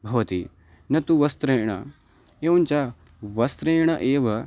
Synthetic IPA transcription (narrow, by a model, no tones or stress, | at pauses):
bʱɐʋɐt̪i | nɐt̪uʋɐst̪ɾeːɳ̃ɐ̰ | eːunt͡ʃa | ʋɐst̪ɾeːɳ̃ɐʔeːʋɐ